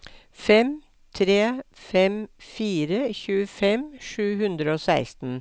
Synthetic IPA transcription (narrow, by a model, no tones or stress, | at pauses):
fɛm | t̪ʰɾeːfɛmfiːɾəçʉːəfɛmʃʉːhʉnd̪ɾəoːsæɪst̪n̩